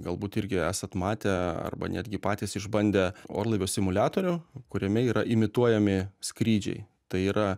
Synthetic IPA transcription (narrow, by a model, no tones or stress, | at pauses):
ɡɐlˠbuːt̪ɪɾʲɡʲɪæːsɐt̪mɑːt̪ʲeɐ̰rbɐ̰nʲæːd̪ʲɡʲɪpɑːt̪ʲiːsɪʒbɐnʲd̪ʲɛo̰ːrlˠɐɪʋʲoːsʲɪmʊlʲæːt̪oːɾʲʊkʊɾʲɛmʲɛiːɾɐʔɪmʲɪt̪uɔjɛmʲɪskɾʲiːd͡ʒʲɛ̰ɪ | t̪ɐɪiːɾɐ